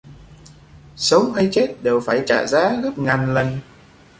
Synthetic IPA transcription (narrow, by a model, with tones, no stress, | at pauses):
sə˨˦wɦa˧jt͡ɕe˦˥t̚ɗe˨˩wfaː˧˩jt͡ɕa̰ː˧˨zaː˨˦ɣə˦˥p̚ŋaː˨˩nlə˨˩n